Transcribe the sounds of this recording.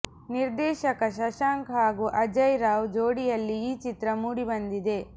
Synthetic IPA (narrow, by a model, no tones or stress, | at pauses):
niɾd̪ɛːʃɐkɐʃɐʃaːŋkɦaːɡuʔɐd͡ʒɐjɾaːwd͡ʒoːɽijɐlːiiːt͡ʃit̪ɾɐmuːɽibɐnd̪id̪e̞